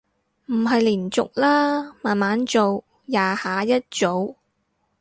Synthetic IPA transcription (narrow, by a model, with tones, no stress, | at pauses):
m̩˨˩ɦɐ˨jliː˨˩nt͡sʊ˨k̚laː˥maː˨nmaː˨˥nt͡so˨w | jaː˨˥haː˨˧˥jɐ˥t̚t͡so˨˧w